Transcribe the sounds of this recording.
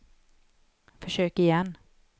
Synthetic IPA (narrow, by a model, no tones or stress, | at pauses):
fœʂøːkɪjɛnː